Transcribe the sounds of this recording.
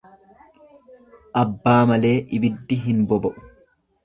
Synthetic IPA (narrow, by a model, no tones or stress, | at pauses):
ʔɐbːaːmɐle̞ːʔɪbɪd̪ːɪɦɪnbɔbɔʔʊ̥